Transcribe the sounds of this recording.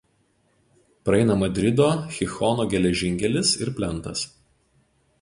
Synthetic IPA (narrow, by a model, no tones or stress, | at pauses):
pɾɐɛɪnɐmɐd̪ʲɾʲɪd̪oːxʲɪxɔnoːɡʲɛlʲɛʒʲɪŋʲkʲɛlʲɪsɪɾpʲlʲɛnˑt̪ɐs